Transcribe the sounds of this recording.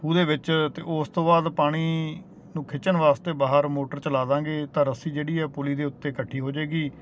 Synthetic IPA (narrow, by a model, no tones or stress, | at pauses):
puːd̪eːʋɪt͡ʃt̪eːʔʊst̪õːbaːd̪paːɽ̃iː | nũːkʰɪt͡ʃənʋaːst̪eːbaːɦəɾmoːʈəɾt͡ʃəlaːd̪ãːɡeːt̪ãːɾəsiːd͡ʒeːɽiːɛːpʊliːd̪eːʊt̪ːeːkəʈʰːiːɦoːd͡ʒaːɡiː